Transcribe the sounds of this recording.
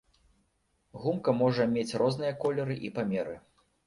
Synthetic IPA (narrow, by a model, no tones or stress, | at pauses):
ɣumkɐmɔʐɐmʲet͡sʲrʔɔznɨjɐkɔlʲɛɾɨʔipamʲɛɾɨ